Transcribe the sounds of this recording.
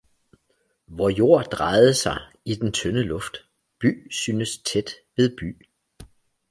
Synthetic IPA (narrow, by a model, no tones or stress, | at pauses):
ʋɒjo̝ɐ̰d̥ʁɑ̈ɪð̞̩ˠəsɑ̈ɪ | id̥ent͡sʰønəlɔ̽fd̥ | b̥y̰ːsyːnəst͡sʰed̥ʋe̝ðˠb̥y̰ː